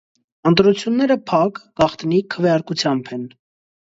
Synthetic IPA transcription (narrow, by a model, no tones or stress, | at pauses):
ənt̪ɾut͡sʰjunːɛɾəpʰɑkɡ̥ɑχt̪nikʰəvɛjɑɾkut͡sʰjɑmbʰɛn